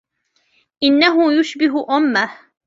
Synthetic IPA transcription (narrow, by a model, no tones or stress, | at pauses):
ʔɪnːaɦʊjʊʃbɪɦʔʊmːah